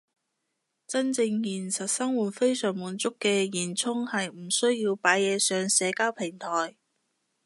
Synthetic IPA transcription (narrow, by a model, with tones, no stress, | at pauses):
t͡sɐ˥nt͡sɪ˧ŋjiː˨˩nsɐ˨t̚sɐ˥ŋwuː˨˩t̚fe˥jsœː˨˩ŋmuː˨˧nt͡sʊ˥kːɛː˧jiː˨˩nt͡sʰʊ˥ŋhɐ˨jm̩˨˩sɵ˥ɥjiː˧wpaː˨˥jjɛː˨˧sœː˨˧ŋsɛː˨˧kaː˥wpʰɪ˨˩ŋt̪ʰɔː˨˩j